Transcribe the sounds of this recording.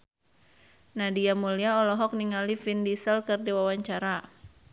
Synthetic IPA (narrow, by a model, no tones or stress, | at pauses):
nadiamuliaɔlɔɦɔk̚niŋalifindisəlkɨrdiwawaɲt͡ʃaɾa